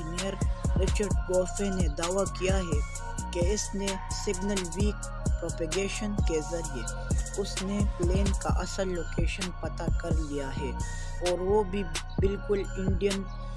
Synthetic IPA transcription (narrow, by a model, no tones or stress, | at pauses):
neːəɾɾɪt͡ʃəɾɖ̚ɡɔːfened̪aːʋakijaɦɛ | keɪsne | sɪɡnəlʋiːk | pɾoːpeɡeːʃənkezɐɾie | ʊsnepleːnkaʔɐsəlːoːkeːʃənpɐt̪akɐɾlijaɦɛː | ɔːɾʋobʱi | bɪlkʊlɪ̃ɳɖijən